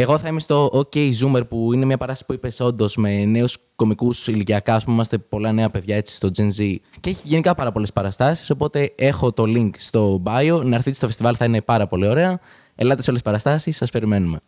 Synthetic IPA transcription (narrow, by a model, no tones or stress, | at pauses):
e̞ɣo̞θɐimest̪o̞ʔoce̞jzume̞ɾpuine̞mɲɐpɐɾɐssi̥puipe̞so̞nd̪o̞zme̞ne̞usko̞mikusiliciɐkɐɐspumimɐst̪e̞po̞lɐne̞ɐpe̞ðʝɐe̞t͡si̥st̪o̞d͡zienziceçiʝenikɐpɐɾɐpo̞le̞spɐɾɐst̪ɐsi̥so̞po̞t̪e̞e̞xo̞t̪o̞liŋkst̪o̞bɐjonɐɾθit̪ist̪ofe̞st̪ivɐlθɐine̞pɐɾɐpo̞lio̞ɾe̞ɐ | elɐt̪esolespɐɾɐst̪ɐsisːɐspe̞ɾime̞nume̞